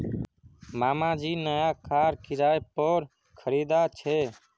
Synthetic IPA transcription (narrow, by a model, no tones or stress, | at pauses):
maːmãːd͡ʒiːnəjaːkaːɾkɪɾaːepoːɾ | kʰəɾiːd̪aːt͡ʃʰeː